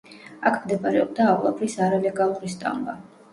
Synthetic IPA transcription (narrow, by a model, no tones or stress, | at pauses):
akʰmd̪ɛbaɾɛɔb̚d̪aːχlˠapʰɾisaɾalɛɡalˠuɾist̪ʼa̰mba